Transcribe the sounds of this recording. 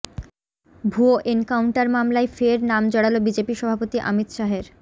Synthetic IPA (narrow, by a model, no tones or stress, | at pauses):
bʱuoʔenkawɳʈaɾmamlaefeɾnamd͡ʑɔɽalobid͡ʑepiʃɔbʱapot̪iʔa̰mit̪ʃaɦeɾ